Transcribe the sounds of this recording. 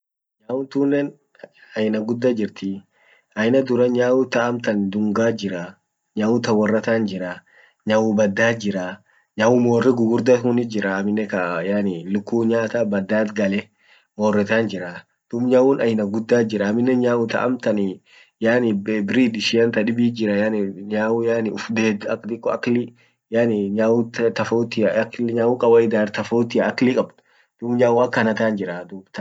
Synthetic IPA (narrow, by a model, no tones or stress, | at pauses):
ɲaːwʊnt̪uːnːɛn | ɐjɪnɐɡʊd̪ːad͡ʒɪɾt̪ɪ | ɐjɪnɐd̪ʊɾɐɲaːwʊt̪ɐʔɐmt̪ɐnd̪ʊŋɡaːd͡ʒɪɾa | ɲaːwʊt̪ɐwɐrːɐt̪aːnd͡ʒɪɾa | ɲaːwʊbɐd̪ːaːd͡ʒɪɾa | ɲaːwʊmoːrːɛɡʊɡʊɾd̪ɐhʊnɪd͡ʒɪɾɐːmɪnːɛkɐjaːnɪlʊkːuːɲaːt̪aːbɐd̪ːaːt̪ɡɐlɛ | moːrːɛt̪aːnd͡ʒɪɾa | d̪̥umɲaːwʊnɐjɪnɐɡʊd̪ːaːd͡ʒɪɾɐːmɪnːɛɲaːwʊt̪ɐ̰ʔɐ̰mt̪ɐnɪ | jaːnɪbɪɾiːd̪ɪʃɪjɐnt̪ɐᶑɪbiːd͡ʒɪɾɐjanɲaːwʊjaːnɪʊfd̪eːd̪ɐkːt̪ɪkːɔɐklɪ | jaːnɪɲaːwt̪t̪ɐfot̪ɪɐkɲaːwʊkʼɐbɐɪd̪aːɾt̪ɐfoːt̪ɪɐɐklɪkʼɐbt̪ʊ̥ | d̪̥umɲaːwʊɐkːɐnɐt̪aːnd͡ʒɪɾad̪uːbt̪ɐ